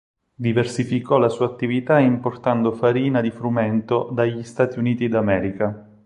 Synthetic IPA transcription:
d̪iversifikɔlasuːaːt̪ːivit̪aimport̪and̪ofaɾiːnad̪ifɾumɛnt̪od̪aʎːist̪aːt̪iuniːt̪id̪amɛːɾika

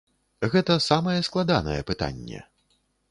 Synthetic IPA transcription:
ɣɛt̪ɐsamɐjɛsklˠad̪anɐ̰jɛpɨt̪a̰nʲːɛ̰

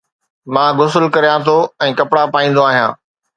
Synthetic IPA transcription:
mãːɡʊs̬əlkɐɾijãt̪ʰoɛ̃ːkɐpɽapaːĩːn̆d̪oaːɦijã̰ː

